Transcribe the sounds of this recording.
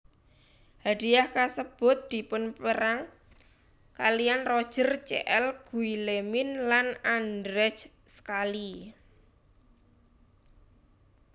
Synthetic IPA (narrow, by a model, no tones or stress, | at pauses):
haɖ̥iahkasəb̥ʊ̤t̪̚d̪̥i̤pʊnpəɾaŋ | kalijanrɔd̥ʒ̥ə̤rt͡ʃḛʔɛlɡ̥uilemɪnlanandɾɛt͡ʃ | sə̥kali